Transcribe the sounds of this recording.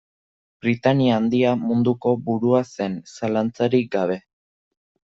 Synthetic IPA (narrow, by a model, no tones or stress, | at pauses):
bɾit̪aniaːnd̪iamund̪uko̞buɾuase̞nsalant͡saɾik̚ɡaβ̞e̞